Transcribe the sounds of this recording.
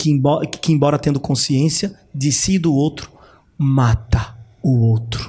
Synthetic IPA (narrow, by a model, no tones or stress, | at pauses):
kɪ̃bɔkɪẽbɔɾɐt̪ẽnd̪ʊkõsiẽsjɐ | d͡ʒ̪ɪsid̪ʊowt̪ɾʊ̥ | mat̪ɐʊowt̪ɾʊ̥